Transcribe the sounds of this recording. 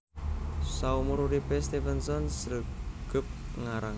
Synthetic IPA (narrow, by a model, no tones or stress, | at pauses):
saumuɾuɾipest̪ifɛnsɔnsɾəɡ̥əp̚ŋaɾaŋ